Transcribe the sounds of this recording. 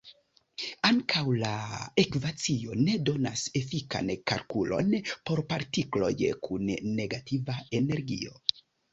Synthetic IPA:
aŋkʰawlae̞kvat͡sio̞ne̞do̞nase̞fika̰nka̰lkulo̞̰npo̞ɾpaɾtiklo̞̰jkʰunːe̞ɡatʰivae̞ne̞ɾɡḭo̞

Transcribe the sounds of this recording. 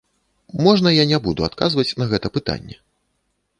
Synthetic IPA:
mɔʐnɐjanʲɛbud̪ua̰t̪kazvɐt͡sʲnɐɣɛt̪ɐpɨt̪a̰nʲːɛ̰

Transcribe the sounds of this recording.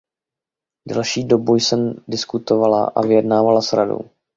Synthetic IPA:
dɛ̰lʃiːdo̞bujsɛmdɪskut̪o̞vala̰ʔa̰vɪjɛdnaːvalasɾado̞̰w

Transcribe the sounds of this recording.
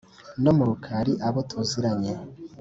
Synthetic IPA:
nomuɾukʰaɾiʔaβotʰuziɾaɲe

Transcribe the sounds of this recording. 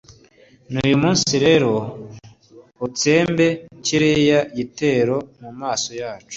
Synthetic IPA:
nuːjumuːnsiɾe̞ɾo̞ | ut͡se̞ːmbe̞ciɾejaɟite̞ːɾo̞mumaːso̞jaːt͡ʃu̥

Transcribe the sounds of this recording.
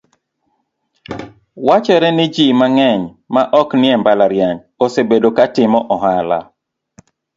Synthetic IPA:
wat͡ʃɛɾɛnɪd͡ʒimaŋɛɲ | maʔɔknɪɛmbalaɾjaɲ | osebedokatɪmɔʔɔɦala̰

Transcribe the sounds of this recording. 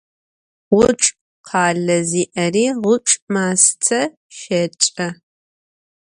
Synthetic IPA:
ʁʷʊt͡ʃʼ | qʰɑːɮɐziːʔɐriːʁʷʊt͡ʃʼmaːstʰɐ | ʃɐt͡ʃʼɐ

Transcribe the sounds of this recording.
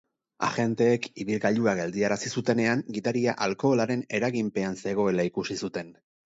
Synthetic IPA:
a̰ʝe̞nt̪e̞ːkiβilɣaʎuaɡe̞ld̪iaɾasisut̪e̞ne̞aŋɡit̪aɾiaʔalko̞ːlaɾe̞ne̞ɾaɣimpe̞anse̞ɣ̞o̞e̞laikusisut̪e̞n

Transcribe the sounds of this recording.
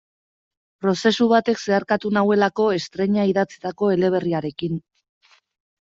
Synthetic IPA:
pɾo̞se̞suβ̞at̪e̞kse̞aɾkat̪unawe̞lako̞e̞st̪ɾe̞ɲaiðat͡sit̪ako̞e̞le̞β̞e̞riaɾe̞kin

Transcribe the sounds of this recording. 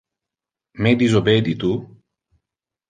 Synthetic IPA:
med̪izobed̪it̪u

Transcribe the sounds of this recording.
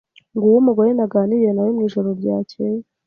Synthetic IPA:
ŋɡuwumuɡojenaɡaːnije̞najimŋiːʒo̞ɾoɾɟaːcʰe

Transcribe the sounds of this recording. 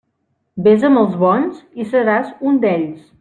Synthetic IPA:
bezəməlˠzβɔnzisəɾazund̪ɛʎs

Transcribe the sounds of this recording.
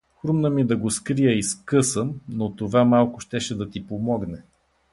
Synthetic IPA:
xɾumnəmid̪ɐɡoskɾijəiskɤsəmnot̪ovamalˠkʊʃt̪ɛʃɛd̪ɐt̪ipomɔɡnɛ

